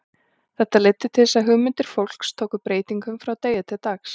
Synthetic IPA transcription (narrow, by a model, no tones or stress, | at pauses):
θɛht̪alejt̪ːʏt̪ʰɪlsaðɦʏːmʏnt̪ɪɾ̥fowl̥kst̪ʰoːwkʏpɾeːjt̪iŋkʏmfɾawt̪eːjʏt̪ʰɪlt̪axs